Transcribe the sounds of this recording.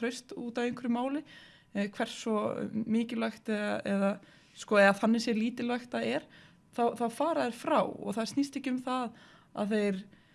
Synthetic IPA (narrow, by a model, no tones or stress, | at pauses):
ɾœɥst̪uːt̪avejŋkʰɪɾʏmaːwlɪ | kʰvɛr̥sɔmɪːcɪlœxt̪ɛðaɛ̰ða | skɔɛðaθanːɪsjɛɾliːt̪ɪlœjxt̪aɛɾ̥ | θawθawfaːɾaðɪɾ̥fɾawɔ̰ɣθað̥snist̪ehcːɪʏmθað | a̰ðθejɾ̥